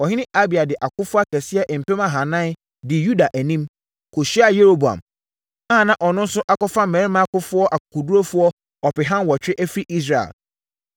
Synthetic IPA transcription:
ɔ˨ɦɪ˦nɪ̃˦ʔa˦bi˨a˨dɪ˨ʔa˨kʊ˦fʊ˦a˦tʰɛ˨sɪ˦ɛ˦ʔm̩˨pe˦mã˦ɦã˨nã˦n | dɪ˨ju˦da˨ʔæ˨nĩ˦m | kʰo˨ɕi˦a˨je˦ɾo˦bu˨a̰˨m | a˦ã˨nã˦ʔɔ˨nʊ̃˦n̩˦sʊ˦ʔa˦kɔ˦fa˦m̩ɛ̃˨˦ɪ˦mã˦kʊ˦fʊ˦ɔ˦ʔa˨kʊ˨kʰʊ˨du˦ɾo˦fʊ˦ɔ˦ | ɔ˨pɪ˨ɦã˦nwɔ˨t͡ɕᶣɾɪ˦ʔæ˦fɾi˦ʔi˦s̬ɾa˨ḛ˨l

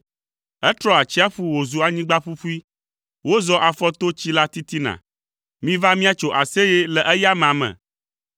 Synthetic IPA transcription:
ɛ˦t̪ɾɔ˦a˨t͡ɕi˦a˦ɸu˦wo˨zu˨a˨ɲĩ˦ɡ͡ba˦ɸu˦ɸu˦i˦ | wo˦zɔ˦ʔa˨fɔ˦t̪o˦t͡ɕi˦la˦t̪i˦t̪i˦nã̰˨ | mĩ˦va˦mĩ˦a˦t͡ʃo˨ʔa˨se˦jɛ˦lɛ˨ʔɛ˦ja˦mã˨mɛ̰̃˨

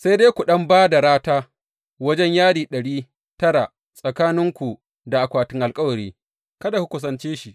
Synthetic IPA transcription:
sa˦jdeː˦kʷu˨ɗɐ˦mbaː˦da˨ɾaː˦taː˦ | wɐ˦d͡ʒɛ˦ɲjaː˦ɽiː˨ɗɐ˨ɽiː˦ | tɐ˦ɽa˨ | sʼɐ˨kaː˦nɪ˦ŋkʷu˨ | da˨ʔa˨kʷaː˨tɪ˦ŋʔa˨lkʼɐ˦wɐ˨ɾiː˦ | kɐ˦da˨ku˦kʷʊ˨s̬ɐ˨nt͡ʃeː˦ʃi˨ʔ

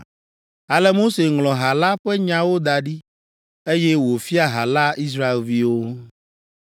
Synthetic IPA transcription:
a˨lɛ˦mo˦se˨ŋlɔ̃˨ɦa˨la˦ɸɛ˦ɲã˨wo˦d̪a˨ɖi˦ | e˦jɛ˦wo˨fi˦a˨ɦa˨la˦i˦s̬ɾa˦e˨lvi˦wo˦

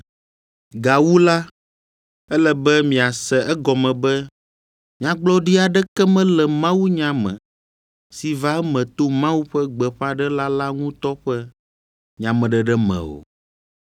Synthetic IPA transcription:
ɡa˨wu˦la˦ | ɛ˦lɛ˨bɛ˦mĩ˨a˨sɛ˨ʔɛ˦ɡɔ˨mɛ̃˨bɛ˦ | mĩ˨ã˨ɡ͡blɔ˦ɖi˦a˨ɖɛ˦kɛ˦mɛ̃˦lɛ˨mã˦wu˦ɲã˨mɛ̰̃˨ | si˨va˦mɛ̃˨t̪o˦mã˦wu˦ɸɛ˦ɡ͡bɛ˨ɸa˦ɖɛ˦la˦la˦ŋũ˦t̪ɔ˦ɸɛ˦ | ɲã˨mɛ̃˨ɖɛ˨ɖɛ˦mɛ̰̃˨wo̰˨

